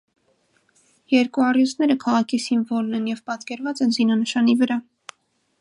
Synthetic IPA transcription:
jɛɾkuɑrjusnɛɾəkʰɑʁɑkʰisiɱvɔlnɛnjɛvpɑt̪kɛɾvɑt͡sɛnzinɑnəʃɑnivəɾɑ

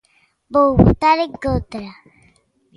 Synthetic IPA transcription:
bowbṵt̪aɾeɡot̪ɾa

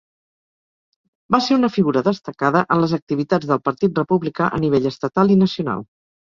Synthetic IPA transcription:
baseɾunəfiɣuɾəðəst̪əkaðəʔənləzək̚t̪iβit̪ad͡zðəlˠpəɾt̪it̪̚rəpuβlikaʔəniβeʎəst̪ət̪alˠinəsiuna̰lˠ

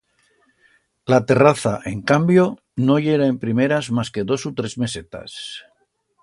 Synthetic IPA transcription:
lat̪e̞raθaʔe̞ŋkambjo̞ | no̞ʎeɾae̞mpɾime̞ɾazmaske̞ðo̞sut̪ɾe̞zme̞se̞t̪a̰s

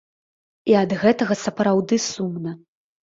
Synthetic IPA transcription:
iɐd̪ɣɛt̪ɐɣɐsɐpɾawd̪ɨsumnɐ

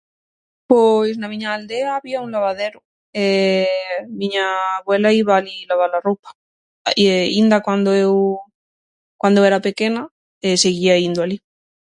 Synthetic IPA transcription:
pojsnamĩɲaːld̪eaːβiaunlaβaðe̞ɾu | e | mĩɲaːβwe̞laiβaːlilaβalaropḁ | ind̪akwand̪oew | kwand̪oe̞ɾape̞ke̞na | eseɣiaind̪oali

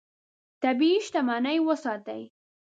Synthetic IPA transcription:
t̪abiːʃt̪amɑnajwəsɑt̪a̰j

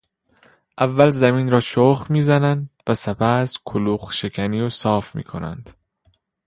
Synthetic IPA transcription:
ʔævːælzæmiːnɾɒːʃoχmiːzænænd̪væsepʰæskʰoluːχʃe̞cʰæniːosɒːfmḭːkʰo̞̰næ̰nd̪̥

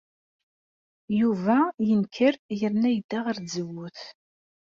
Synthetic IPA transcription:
juvæjənkʰəɾjəɾnæjəd̪̥ːaʁəɾd͡zəwʊθ

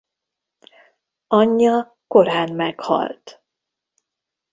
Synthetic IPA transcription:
ɒɲːɒ | ko̞ɾaːnmɛkhɒ̰lt̪

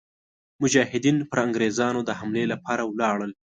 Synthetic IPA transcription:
mʊd͡ʒɑhɪd̪inpəɾaŋɡɾezɑnod̪əhamlelapʰɑɾawlɑɽəl

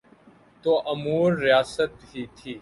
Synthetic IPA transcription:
t̪oːʔəmuːɾːɪjaːsət̪ɦiːt̪ʰiː

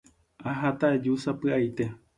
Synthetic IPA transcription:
aɦat̪aed͡ʒusapɨajt̪e̞

